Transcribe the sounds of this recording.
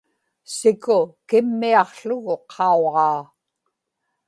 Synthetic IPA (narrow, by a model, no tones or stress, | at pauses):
sɪkʊkɪmːiɑqɬʊɣʊqʰɑoʁɑː